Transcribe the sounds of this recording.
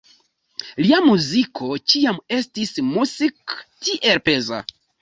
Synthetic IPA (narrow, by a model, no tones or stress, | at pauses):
liamuzikʰo̞t͡ʃiame̞stismusiktiʔe̞lpe̞za̰